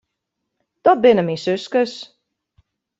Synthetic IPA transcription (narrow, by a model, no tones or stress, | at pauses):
d̪̥ɔt̚bɪnəminsʏskəs